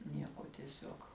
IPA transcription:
ˈnʲiɛkoː tʲiɛˈsʲuɔk

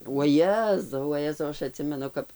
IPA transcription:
uɔˈjæːzɐʊ ʋɐˈjæːzɐʊ ˈɐʃ ɐˈtʲsʲɪmʲɛnʊ ˈkɐp

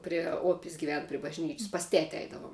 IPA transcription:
pʲrʲiɛ ˈoːpʲɪs ɡʲɪˈʋʲɛn pʲrʲɪ bɐʒʲˈnʲiːt͡ʃʲsʲ pɐs ˈtʲæːtʲɪ ˈɐɪdɐʋoːm

